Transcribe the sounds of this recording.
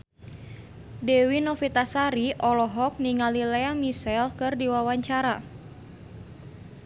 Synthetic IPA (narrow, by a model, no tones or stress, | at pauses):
dɛwinɔfit̪asaɾiʔɔlɔɦɔk̚niŋalilɛamisɛlkɨrdiwawaɲt͡ʃaɾa